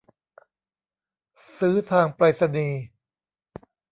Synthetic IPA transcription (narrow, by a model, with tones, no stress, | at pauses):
sɯː˦˥t̪ʰaː˧ŋpɾaː˧t̪̚sa˧niː˧